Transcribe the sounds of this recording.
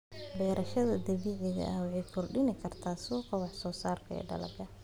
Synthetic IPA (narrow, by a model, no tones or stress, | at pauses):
bɛːɾʔɐʃɐðɐd̪ɐβiːʕɪɣɐ̰ʔɐwɑʕɛjkʰɔrɖɪnɪkʰɐrt̪ʰaːsɔːqɔwɑħsɔːsaːrkʰɐɛ̰ːɖɐ̰lɐ̰ɡɐ